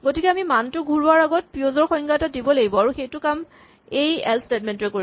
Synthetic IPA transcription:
ɡotikɛamimantʊɡʱuɹʊaɹaɡɔt̚pɹiozɔɹxɔjŋɡaɛtadibɔlaɡibɔaɹuxejtʊkam | ejɛ̰lstet̚mɛntʊɹɛkoɹi

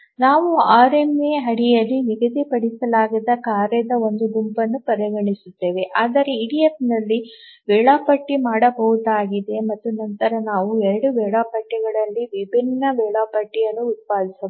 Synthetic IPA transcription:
naːʋuaːɾemeɦɐɽijɐlːiniɡɐd̪ipɐɽisɐlaːɡɐd̪ɐkaːɾɛd̪ɐo̞nd̪uɡumpɐnːupɐɾɐɡɐɳisut̪ːe̞ːʋeʔaːd̪ɐɾeiɽijepnɐlːi | ʋɛːɭaːpɐʈːimaːɽɐbɐɦud̪aːɡid̪e̞mɐt̪ːunɐnt̪ɐɾɐnaːʋuɛɾɐɽuʋɛːɭaːpɐʈːiɡɐɭɐlːiʋibʱinːɐʋɛːɭaːpɐʈːijɐnːuːt̪̚paːd̪isɐ

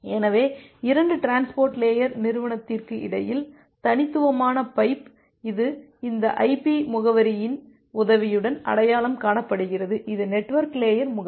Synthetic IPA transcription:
ɛːnɐʋeːɪɾɐɳɖɯʈɾaːnspoːɾʈleːjɐɾnɪɾɯʋɐɳɐt̪ːɪrkɯʔɪ̰ɽɐjɪl | t̪ɐnɪt̪ːɯʋɐmaːnɐpɐɪp | ɪðɯ | ɪnd̪ɐʔɐɪpːimʊɣɐʋɐɾɪjɪn | ʊðɐʋɪjɯɽɐnɐ̰ɽɐjaːlɐmkaːɳɐpːɐɽɯɣɪrɐðɯʔɪðɯnɛʈːʋɐɾkleːjɐɾmʊɣɐ

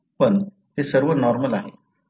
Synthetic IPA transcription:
pən | t̪esəɾʋənɔɾməlaɦe

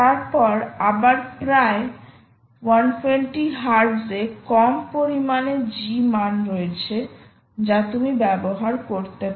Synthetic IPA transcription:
t̪aɾpɔɾabaɾpɾae | wanfʰenʈiɦaɾzekɔmpoɾimaned͡ʑimanɾoet͡ɕʰe | d͡ʑat̪umibɛboɦaɾkoɾt̪ep

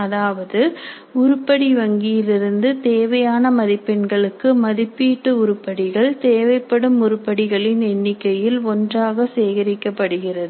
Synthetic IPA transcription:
ɐðaːʋɐðɯ | ʊɾʊpːɐɽiʋɐŋɡɪjɪlɪɾɯnd̪ɯt̪eːʋɐjaːnɐmɐðɪpːɛɳɡɐɭɯkːɯmɐðɪpːiːʈːɯʊɾɯpːɐɽɪɣɐɭt̪eːʋɐɪpːɐɽɯmʊɾʊpːɐɽɪɣɐɭɪnɛnːɪkːɐjɪlɔndraːɣɐseːɣɐɾɪkːɐpːɐɽɯɣɪrɐðɯ

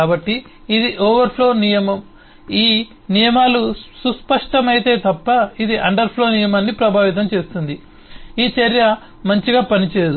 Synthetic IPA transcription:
kaːbɐʈːiː | d̪iʔoːʋɐɾpʰlo̞ːnijɐmɐm | iː | nijɐmaːlususpɐʂʈɐmɐjt̪e̞ːt̪ɐpːɐid̪iʔɐɳɖɐɾpʰlo̞ːnijɐmaːnːipɾɐbʱaːʋit̪̬ɐmt͡ʃe̞ːst̪und̪i | iːt͡ʃɐɾjɐ | mɐɲt͡ʃiɡaːpɐnit͡ʃeːjd̪u

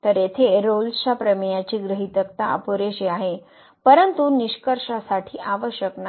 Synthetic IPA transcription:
t̪əɾet̪ʰeɾolɕapɾəmjat͡ɕiːɡɾəɦit̪əkt̪aə̰poɾeɕiaɦe | pəɾənt̪uniɕkəɾʂasaʈʰiːʔaʋəɕjəkna

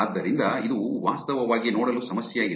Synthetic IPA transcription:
aːd̪ːɐɾind̪ɐid̪uʋaːst̪ɐʋɐʋaːɡinoːɽɐlusɐmɐsjɐi

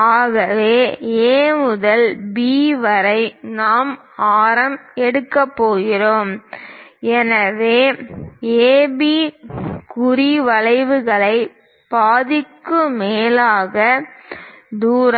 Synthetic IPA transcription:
aːɣɐʋeːeːmʊðɐlbiːʋɐɾɐɪnaːm | aːɾɐmɛɽɯkːɐpːoːɣɪroːm | ɛnɐʋeː | eːbi | kʊriʋɐlɐɪʋɯɣɐɭɐɪ | b̥aːðɪkːɯmeːlaːɣɐ | d̪uːɾɐ

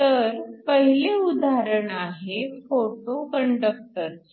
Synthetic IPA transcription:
t̪əɾpəɦileud̪ʱaɾəɳaɦefoʈokəɳɖək̚ʈəɾ

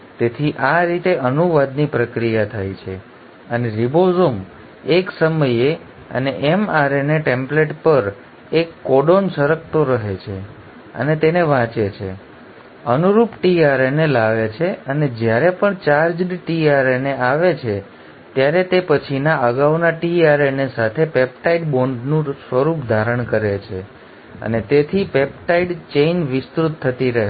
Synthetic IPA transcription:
t̪et̪ʰiʔaɾit̪eʔənuʋad̪nipɾəkɾijat̪ʰajt͡ʃʰḛ | əneɾibozom | eksəməje | ə̰neʔɛmaɾeneʈẽmpleʈpəɾ | ekːɔɖonsəɾəkʰt̪oɾəɦet͡ʃʰe | ə̰net̪eneʋãt͡ʃet͡ʃʰḛ | ənuɾupʈiaɾenelaʋet͡ʃʰeəned͡ʒjaɾepəɳt͡ʃaɾd͡ʒɖiʈiaɾeneaʋet͡ʃʰe | t̪jaɾet̪epət͡ʃʰinaəɡaʋnaʈiaɾenesat̪ʰepep̚ʈaiɖboɳɖnũsʋəɾupd̪ʱaɾəɳkəɾet͡ʃʰe | ə̰net̪et̪ʰipepʈaiɖt͡ʃeinʋɪst̪ɾut̪ʰːət̪iɾəɦe

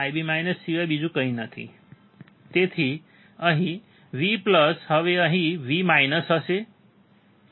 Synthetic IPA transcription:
ajbimajnəsːiʋabid͡zukʌɦĩnʌt̪ʰḭ | t̪et̪ʰi | ʌɦĩ | ʋiplʌsɦʌʋeʌɦĩʋimajnʌsɦʌse

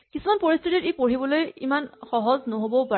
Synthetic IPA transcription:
kisumanpoɹistʰititepoɹibɔlojḭmanxɔɦɔznoɦobɔpa

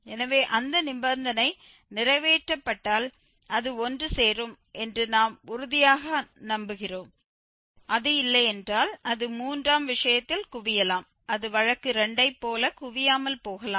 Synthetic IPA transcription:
ɛnɐʋeːʔɐnd̪ɐnɪmbɐnd̪ɐnɐɪ | nɪrɐɪʋeːʈrɐpːɐʈːaːl | ɐðɯɔndrɯseːrɯm | ʔɛndrɯnaːmʊɾʊðɪjaːɣɐnɐmbɯɣɪroːm | ʔɐðɯɪlːɐɛndraːlɐðɯmuːndraːmʋɪʂɐjɐt̪ːɪlkʊʋɪjɐlaːm | ɐðɯʋɐɻɐkːɯɾɛɳɖɐɪpːoːlɐkʊʋɪjaːmɐlpoːɣɐlaː

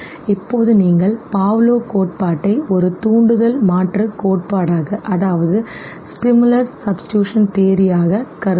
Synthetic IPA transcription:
ɪpːoːðɯniːŋɡɐɭpaːʋloːkoːʈ̚paːʈːɐɪɔɾɯt̪uːɳɖɯðɐlmaːʈrɯkoːʈ̚paːɽaːɣɐʔɐðaːʋɐðɯ | sʈɪmɯlɐɾsːɐbsɪ̥ʈjuːʂɐnt̪eːɾɪjaːɣɐkɐɾ

